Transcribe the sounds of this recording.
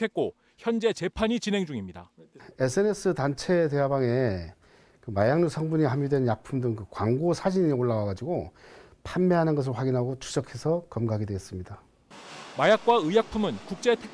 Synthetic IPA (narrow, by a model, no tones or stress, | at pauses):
e̞t̚k͈o | çjʌnd͡ʑe̞t͡ɕe̞pʰaɲit͡ɕinɦe̞ŋd͡ʑuŋimɲida̰e̞sʰɯene̞s͈ɯtant͡ɕʰe̞te̞ɦabaŋe̞ | kɯmajaŋɲusʰʌŋbuɲiɦamjudwe̞njapʰumdɯŋkɯkwaŋɡosʰad͡ʑiɲioɭːawaɡad͡ʑiɡo | pʰanmeɦanɯnɡʌs̬ʰɯɭɸwaɡinɦaɡot͡ɕʰu̥ɕʌkʰe̞sʰʌkʌmɡaɡidwees͈ɯmɲida | majak̚k͈waɯjak̚pʰumɯnkuk̚t͡ɕ͈e̞tʰe